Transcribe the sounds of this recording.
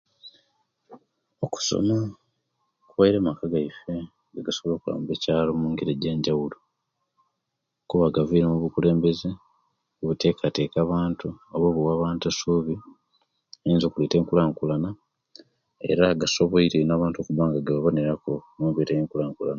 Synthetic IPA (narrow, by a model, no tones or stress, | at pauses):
oku̥so̰ma | kuwajiɾeːmakaɡaife | ŋɡaɡasoβlo̞ːkula̰ːmubecaːlo̞muːŋɡiɾeɟeːɲɟawulo | kuβaɡaviːɾemuβukule̞ːmbe̞ze | kuβute̞kʰate̞ːkaːβaːntuoβoːβuwaːβaːntasuːβi | eiːnzokuleːteːŋkulaːŋkulana | e̞̰ɾaɡaso̞βo̞iɾenaːβaːntoːkuβaːŋɡaɡaβaβo̞neɾako̞mubetejiːŋkulaːŋkulana